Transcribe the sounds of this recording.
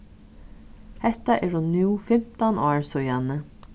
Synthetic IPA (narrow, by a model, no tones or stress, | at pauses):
hɛht̪aʔɛɹhʊnːuːfɪm̥t̪anʔɔːɹsɔjanə